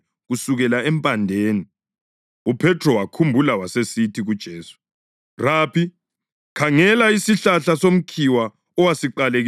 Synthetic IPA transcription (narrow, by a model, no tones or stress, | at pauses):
ɣusuɣɛlaɛmpʼandʱeːni | upʰɛtʰrɔwakʰumbʱulawasesitʰiɣud̥ʒ̥ʱeːsu̥ | rapʰi | kʰaŋɛlaisiɬaɬasom̩kʰiwa | ɔwasiǃaleɣ